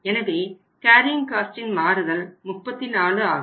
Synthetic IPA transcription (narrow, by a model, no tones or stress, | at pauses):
ɛnɐʋeː | kaːɾɪŋkaːsʈɪnmaːɾɯɣɐlmʊpːɐt̪ːɪnaːɭɯaːɣɐ